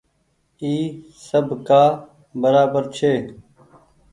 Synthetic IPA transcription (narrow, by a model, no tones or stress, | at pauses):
iː | səbkaː | bəɾaːbəɾt͡ʃʰeː